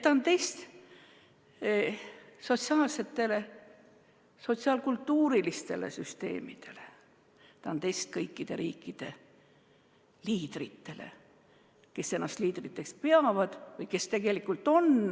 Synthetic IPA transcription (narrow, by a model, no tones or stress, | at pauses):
t̪ːɑnt̪e̞jst̪ | so̞t̪ʲsiɑːlse̞t̪ːe̞le̞ | so̞t̪siɑlkult̪ːuːɾilist̪e̞̰le̞̰syst̪e̞̰ːmid̪̥e̞le̥ | t̪ɑont̪e̞jst̪̚kɤjkːid̪̥e̞ɾʔiːkːˑid̪̥e̞ | liːd̪̥rit̪ːe̞le̞̰ | ke̞sːe̞nːɑst̪liːd̪̥rit̪ːˑe̞kspeɑvɑd̪̥vɤjke̞st̪e̞ɡ̥e̞likːˑult̪ːo̞n